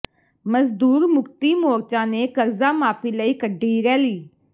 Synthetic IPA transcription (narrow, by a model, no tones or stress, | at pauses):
məzd̪uːɾmʊkt̪iːmoːɾt͡ʃãːneːkəɾzaːmaːpʰiːləiːkəɖʱiːɾɛːliː